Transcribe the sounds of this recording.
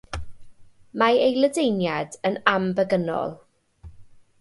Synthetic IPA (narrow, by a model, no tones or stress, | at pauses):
maejlədejnjadənambəɡənɔ̰lˠ